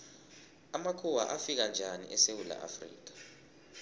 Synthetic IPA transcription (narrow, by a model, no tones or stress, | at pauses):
amakʰuwa̰ʔafik̬and͡ʒʱanḭʔɛsewula̰ʔa̰frḭːk̬ḁ